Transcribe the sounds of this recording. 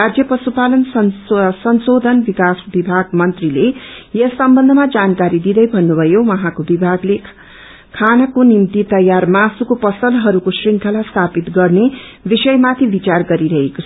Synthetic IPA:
rad͡zjʌprʌsupalʌnsʌsʌnsod̪ʱʌnbikasbibʱaɡmʌnt̪rilejʌsʌmbʌnd̪ʱʌmad͡zankaɾid̪id̪ʌjbʱʌnːubʱʌjowʌɦãkobibʱaɡle | kʰanʌkonimt̪it̪ʌjarmasukopʌsʌlɦʌɾukosriŋkʰalast̪ʰapit̪ɡʌrnebisʌjmat̪ʰibit͡sarɡʌɾiɾʌɦekot͡sʰʌ

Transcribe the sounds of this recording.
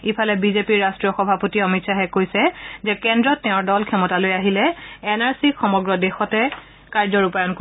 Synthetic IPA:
ipʰalɛbizepiɹːastɹijɔxɔbʱapotiɔmitsaɦɛkojsɛzɛkɛndɹɔtːɛʊ̃ɹdɔlkʰɛmɔtalojaɦilɛːnaɹsixɔmɔɡɹɔdexɔtɛ | kaɹzɔɹupajɔnko

